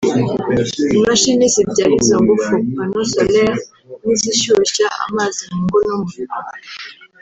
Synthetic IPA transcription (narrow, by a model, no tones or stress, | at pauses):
nɔʃɛnesibaɾizãɡofokpanɔsɔlɛa | niziʃoʃaa̰mazimŋɡonɔmɔ